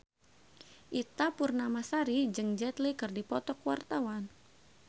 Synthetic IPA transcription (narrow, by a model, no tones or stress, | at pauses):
ʔit̪apurnamasaɾid͡ʒɨŋd͡ʒɛt̪likɨrdipɔt̪ɔkuwa̰rt̪awan